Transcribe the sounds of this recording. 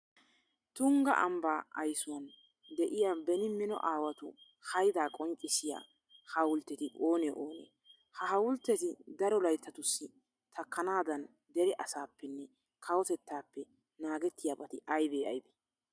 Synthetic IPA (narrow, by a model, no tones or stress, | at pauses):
t̪ʊŋɡɐ̰ʔɐ̰mbaːɐjsʊwɐn | d̪ɛʔɪjaːbɛnɪmːɪnɔ̰ʔaːwɐt̪ʊ | hɐjd̪aːkʼɔŋkʼːɪsɪja̰ː | hɐwʊlt̪ːɛt̪ɪʔo̞ːnɛʔoːnḛ | hɐhɐwʊlt̪ːɛt̪ɪd̪ɐɾɔlɐjt̪ːɐt̪ʊsːɪ | t̪ʰɐkːɐnaːd̪ɐn | d̪ɛɾɛʔɐsaːpːɛnːɛ | kʰɐwɔt̪ɛt̪ːaːpːɛ | naːɡɛt̪ːɪjaːbɐt̪ɪʔɐjbeːɐ̰jbe̥